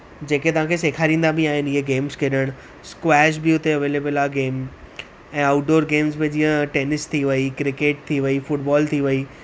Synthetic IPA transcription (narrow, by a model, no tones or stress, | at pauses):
d͡ʑeːket̪ɐʋ̤ãːkʰeseːkʰaɾĩːn̆d̪abĩaːɦɪnɪɦeɡeːmzkʰeɗəɽ̃ | skwɛːʃ̬bɪʊt̪eɐʋeːleːbəlaːɡeːm | ɛ̃ːaːʊʈ̚ɖoːɾɡeːmzbɪ̃d͡ʑĩːə̃ʈeːnɪst̪ʰiʋɐikɾɪkeːʈ̚t̪ʰiʋɐifʊʈbɔːlt̪ʰiʋɐi